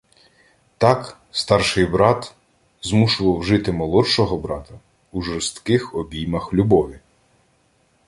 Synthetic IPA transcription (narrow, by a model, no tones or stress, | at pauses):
t̪ɑk | st̪ɑrʃɪjbɾɑt̪ | zmuʃʊʋɐwʒɪt̪ɪmɔlˠɔʃɔɦɔbɾɑt̪ɐ | uʒɔɾst̪kɪxɔbʲijmɐxlʲubɔʋʲi